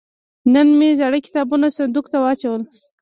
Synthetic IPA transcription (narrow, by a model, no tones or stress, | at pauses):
nənmezaɽəkɪ̥t̪ɑbunasand̪ukt̪awɑt͡ʃawəl